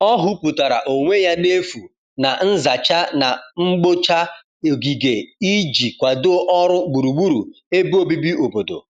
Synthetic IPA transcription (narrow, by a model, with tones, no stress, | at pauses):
ɔ˦ɦʊ˦pu˨ta˨ɾa̰˨ʔo˨ŋʷe˦ja˦ne˦fu˨ | na˨n̩˦za˨t͡ʃa˦na˨ŋ͡m̩˦ɡ͡bo˦t͡ʃa˦˨ | ɡi˨ɡe˨i˦d͡ʒi˨kʷa˨dʔɔ˦ɾʊ˦ɡ͡bu˨ɾu˨ɡ͡bu˦ɾu˨ | e˦bu˦o˦bi˦bi˦o˨bo˨do̰˨